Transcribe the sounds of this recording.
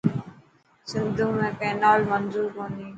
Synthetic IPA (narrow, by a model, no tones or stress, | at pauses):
sɪnd̪ʱũmẽːpɛːnaːlmənzuːɾɦõːnd̪ĩː